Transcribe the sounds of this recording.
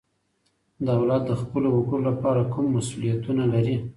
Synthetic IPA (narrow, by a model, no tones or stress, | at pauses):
d̪ɑawlɑt̪̚d̪əxpəlowaɡəɽolapɑɾakumːasulijat̪unalaɾi